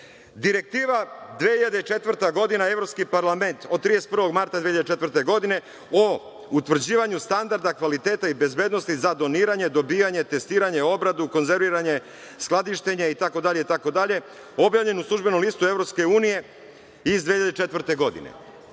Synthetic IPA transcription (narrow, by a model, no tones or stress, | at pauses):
d̪iɾe̞k̚t̪iːʋad̪ʋehiʎad̪eit͡ʃe̞t̪ʋr̩ɾt̪aɡo̞d̪inae̞vɾo̞pskipaɾlˠame̞nt̪od̪̚t̪ːɾijest̪̚pr̩ʋo̞ɡmaɾt̪ad̪eçiʎad̪t͡ʃe̞t̪vəɾt̪e̞ɡo̞d̪ine̞ | o | ut̪ʋr̩d͡ʑiːʋaɲust̪and̪aɾd̪akʋalit̪e̞ːt̪aibe̞zbe̞d̪no̞st̪izad̪o̞niːɾaɲe̞d̪o̞biːjaɲe̞t̪e̞st̪iːɾaɲe̞o̞bɾad̪uko̞nze̞ɾʋiːɾaɲe̞ | sklˠad̪iʃt̪eɲeit̪ako̞d̪aʎe̞it̪ako̞d̪aʎe̞ | o̞bjaːvʎe̞nuslˠuʒbe̞nomlˠist̪ue̞vɾo̞pske̞uːnije̞ | izd̪ʋeçiʎad̪et͡ʃe̞t̪ʋɾt̪e̞ɡo̞d̪ḭne̞̰